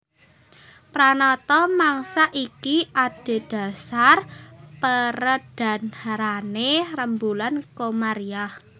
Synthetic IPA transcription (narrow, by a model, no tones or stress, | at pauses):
pɾanɔt̪ɔmaŋsaʔikiʔad̥e̤d̥a̤sarpəɾəd̥a̤naɾanerəmbulankomaɾiah